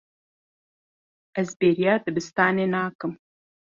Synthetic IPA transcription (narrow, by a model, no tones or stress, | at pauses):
ʔɐzbeːɾjaːd̪ɨbɨst̪aːneːnaːkɨm